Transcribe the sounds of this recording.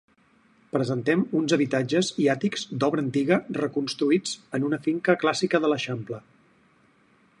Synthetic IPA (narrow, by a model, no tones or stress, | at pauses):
pɾəzənt̪ɛmunzəβit̪ad͡ʒəziat̪ikz̥d̪ɔβɾəːnt̪iɣərəkunst̪ɾuid͡zənunəfiŋkəklasikəðələʃamplə